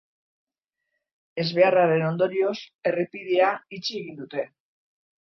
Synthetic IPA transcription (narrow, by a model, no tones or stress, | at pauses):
e̞zβe̞araɾe̞no̞nd̪o̞ɾio̞se̞ripiðeait͡ʃie̞ɣind̪ut̪e̞